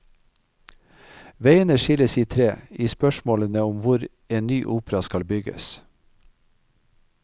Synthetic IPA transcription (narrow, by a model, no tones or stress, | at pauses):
ʋeɪənəʃɪləsiːt̪ʰɾeːiːspœʃmoːlənəʊmʋʊɾ | eːnnyːʔuːpɾɑskɑlbʏɡə̰s